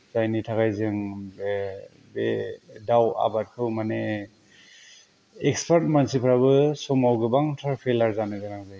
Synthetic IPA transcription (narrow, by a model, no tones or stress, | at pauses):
zajnitʰakajzɯŋ | bedawa̰bat̚kʰɯwmane | ekspʰaɾt̚mansipʰɾabɯsɔmawɡɯbaŋtʰɾapʰelaɾzanɯɡɯnaŋzɯj